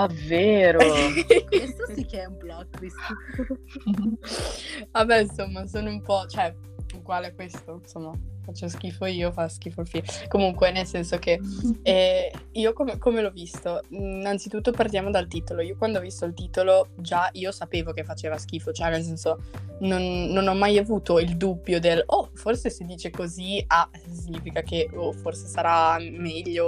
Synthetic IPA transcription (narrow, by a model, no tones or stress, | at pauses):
avːeːɾoket̪osikɛɛumblɔkːvist̪o | abɛinsomːasoːnoumpɔt͡ʃoɛ | ukwaːleɛkwest̪onsomːafat͡ʃːosk̟iːfoiːofask̟iːfolfikomuŋkwenelsɛnsokeɛiːokomekomelɔvist̪onant̪sit̪ut̪ːopart̪jaːmod̪alt̪iːt̪oloiokwand̪oɔvist̪oilt̪iːt̪olod͡ʒaiːosapeːvok̟efːat͡ʃeːvask̟iːfot͡ʃoɛnels̬ɛnsononːonɔmːajavuːt̪oild̪ubːjod̪elɔforsesed̪iːt͡ʃekoziasisiɲiːfikakeoforsesaɾamɛʎːo